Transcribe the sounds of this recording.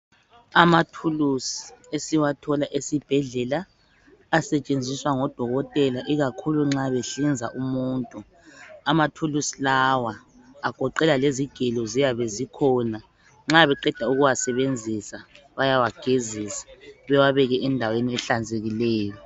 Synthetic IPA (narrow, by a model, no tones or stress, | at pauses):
amatʰulusiesiwatʰɔlaʔesib̥ʱɛɮɛlaː | sɛt͡ʃʼend͡zʱiswaŋɔd̥ʱɔɣɔtʼɛlaʔiɣakʰuluŋ͡ǁaβeɬind͡zʱaʔumuːntʼu | amatʰulusilawa | aɡ̥ʱɔǃɛlaleziɡ̥ʱɛlɔzijaβezikʰɔna | ŋ͡ǁaβɛǃɛd̥ʱauɣuwasɛβend͡zʱisa | βajawaɡ̥ʱezisḁβɛwaβɛɣɛʔɛndʱaweniɛɬand͡zʱeɣilɛːjɔ